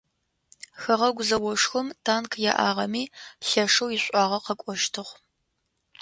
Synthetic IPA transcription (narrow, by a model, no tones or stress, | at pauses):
xɐʁɐɡʷʊzɐwɔʂxɨmtʰaːnkʰja̰ːʔa̰ːʁɐmiːɬɐʂɐwjɪɕʷʼɑːʁɐqɐkʷʼɔʃtʰɨʁ